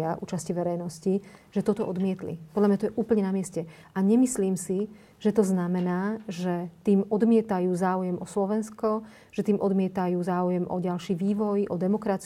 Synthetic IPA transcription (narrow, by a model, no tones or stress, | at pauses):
aʔuːt͡ʃasciʋɛɾɛjnɔsciʒ̥ɛt̪ɔt̪ɔʔɔd̪mɪɛt̪lḭpɔd̪lamɲat̪ɔjɛʔuːpl̩ɲɛnamɪɛscɛ | aɲɛmisliːmsi | ʒ̥ɛt̪ɔznamɛnaːʒɛt̪iːmɔd̪mɪɛt̪ajuːzaːujɛmʔɔslɔʋɛnskɔ | ʒ̥ɛt̪iːmʔɔd̪mɪɛt̪ajuːzaːujɛmʔɔɟalʃiːʋiːʋɔjʔɔd̪ɛmɔkɾat͡s